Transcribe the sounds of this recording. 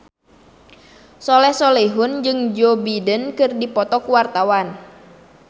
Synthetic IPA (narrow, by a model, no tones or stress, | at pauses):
sɔlɛhsɔleɦʊnd͡ʒɨŋd͡ʒobidənkɨrdipɔt̪ɔkuwart̪awan